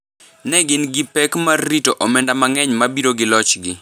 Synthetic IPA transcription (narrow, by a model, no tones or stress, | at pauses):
nɛɡɪnɡɪpɛkmarːitoʔɔmɛndamaŋɛɲmabiɾoɡɪlɔt͡ʃɡɪ